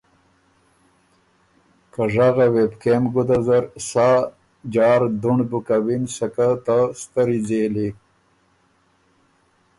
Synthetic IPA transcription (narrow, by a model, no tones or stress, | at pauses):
kaʐaɣawebkemɡud̪azaɾsa | d͡ʒɑːɾd̪uɳbukawinsakat̪ast̪aɾid͡zeːli